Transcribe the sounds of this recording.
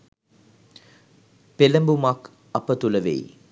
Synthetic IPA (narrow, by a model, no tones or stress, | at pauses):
pelɐmbumak | ɐpət̪ulɐʋḛj